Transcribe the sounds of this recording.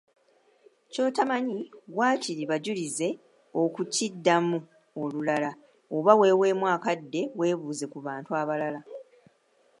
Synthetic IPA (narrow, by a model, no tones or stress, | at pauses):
co̞ːtamaɲiwaːciɾiβaɟulize̞ | o̞kucidːamu | olulala | oβawe̞ːwe̞ːmwaːkadːe̞we̞ːβuːze̞kuβaːntuaːβalala